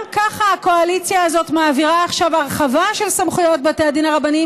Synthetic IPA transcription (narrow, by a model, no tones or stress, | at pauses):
kaχaako̞alit͡sjaːzo̞tmaːviʁaːχʃavaʁeχavaʃelsamχujo̞t̚beteadinaʁabani